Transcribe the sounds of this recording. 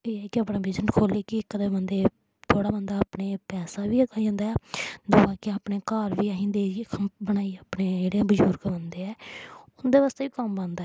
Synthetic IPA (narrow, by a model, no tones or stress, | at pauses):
eːɛːkɪaːpnaːbɪd͡ʒənkʰoːleːkɪɪkːd̪ebənd̪eː | t̪ʰoːɽaːbənd̪aːpɳeːpɛːsaːʋiːəkaːiõnd̪aːɛːd̪ʊːãːkɪaːpɳeːkaːɾʋiːaɦĩːnd̪eːbənaːiːaːpɽeːd͡ʒeːɽeãbəd͡ʒuːɾkənd̪eːɛːʊnd̪eːʋaːst̪eːʋiːkəmbə̃nd̪aɛ